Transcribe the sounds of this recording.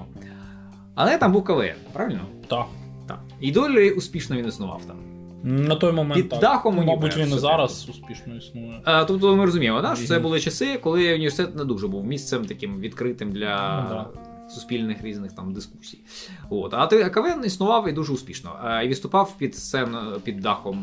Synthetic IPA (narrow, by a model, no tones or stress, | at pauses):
ɐ̰lˠɛjt̪ambuwkɐʋɛ̰npɾaʋʲɪlʲnɔt̪a | t̪a̰k | id̪ɔlʲʊsʲpʲiʂnɔʋʲinɪsnʊʋɑ̰wt̪ɑ̰m | nɐt̪ɔjmɐmɛid̪axɔmɔɐbuʋʲinzɑɾɐsʊspʲiʃnɔisnʊʋt̪ɔp̚t̪ɔmɪɾɔzʊmʲijɪmɔd̪aʃɔt̪sɛbʊlˠɪt͡ʃɐsɪkɔlˠɪʊnʲɪʋʲersɪt̪ɛt̪nɛd̪uʐɛbuwmʲist̪sɛmt̪ɐkʲɪmʋʲid̪kɾɪt̪ɪmd̪lʲɐ | sʊsʲpʲilʲnɪxɾʲiznɪxt̪amd̪ɪsku̥sʲijʋo̰t̪ɐt̪ɛɐkɐʋɛɛnisnʊʋɑwid̪uʐɛʊsʲpʲiʃnɔ̰iʋɪt̪st̪ʊpɑwpʲid̪sɛnpʲid̪ːɑxɔm